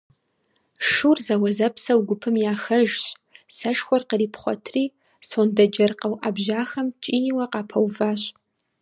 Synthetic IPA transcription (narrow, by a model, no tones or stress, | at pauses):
ʂurzɐwɐzɐpʰsɐwɡʷʊpʰɨmjaːxɐʒɕ | sɐʃxʷɔrqəɾiːpʰχʷɔ̰tʰriː | soːndɐd͡ʒɐrqɐwʔaːbʑaːxɐmt͡ʃʼiːniwɐqɑːpʰɐwvaːɕʼ